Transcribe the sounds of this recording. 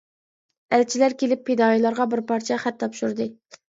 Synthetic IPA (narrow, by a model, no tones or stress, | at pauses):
ælt͡ʃʰilæɾkʲelɪpʰːed̪ɑːjilˠɑɾʁɑbɪɾpʰɑɾt͡ʃʰɛχæt̪ʰːɑpʃuɾd̪ɨ